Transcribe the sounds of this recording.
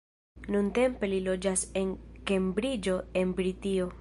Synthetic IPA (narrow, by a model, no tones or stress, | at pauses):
nunte̞mpe̞lilo̞d͡ʒase̞nke̞mbɾid͡ʒo̞e̞nbɾitio̞